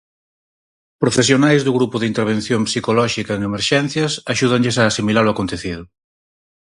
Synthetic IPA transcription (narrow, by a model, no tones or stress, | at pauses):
pɾofesjonajzðʊɣɾupʊðint̪eɾβ̞ẽn̟θjompsikolɔʃikɐeŋemeɾʃɛn̟θjɐsaʃuð̞ɐŋʎesaːsimilaloakont̪eθið̞ʊ